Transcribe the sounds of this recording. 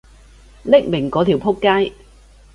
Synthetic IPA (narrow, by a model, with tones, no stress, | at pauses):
lɪ˥k̚mɪ˨˩ŋkɔː˨˥t̪ʰi˨˩wpʰʊ˥kːaː˥j